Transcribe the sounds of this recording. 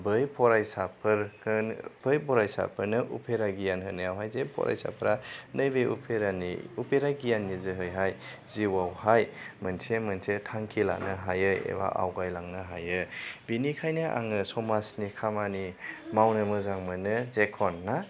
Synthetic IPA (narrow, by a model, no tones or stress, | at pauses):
bɯjpʰɔɾajsapʰɯɾkʰɯnpʰɯjbɔɾajsa̰pʰɯɾnɯʔṵpʰeɾaɡijanɦɯnajawɦajzepʰɔ̰ɾʔa̰jsa̰pʰɾanɯjbejṵpʰeɾanḭupʰeɾaɡijanːizɯɦɯjɦaj | ziwawhajmɯnsʰemɯnsetʰaŋkʰila̰nɯɦajɯjḛba̰ʔa̰wɡajlaŋnɯɦajɯbinikʰajnɯʔa̰ŋɯsɔmasnikʰamanimawnɯmɯzaŋmɯnɯzekʰɔnːa